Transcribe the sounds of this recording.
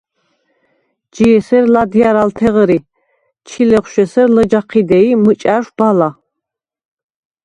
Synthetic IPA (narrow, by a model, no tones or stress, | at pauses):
d͡ʒijɛsɛɾlad̪ijaɾalt̪ʰɛʁəɾi | t͡ʃʰilɛχʷʃɛsɛɾləd͡ʒaqʰid̪ɛimɨt͡ʃʼaʃb̥ala